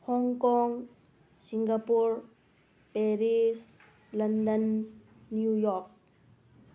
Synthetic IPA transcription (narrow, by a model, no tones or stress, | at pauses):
hɔŋkɔŋ | siŋɡapuɾ | peɾis | lɐnd̪ənː | jujɔɾk̚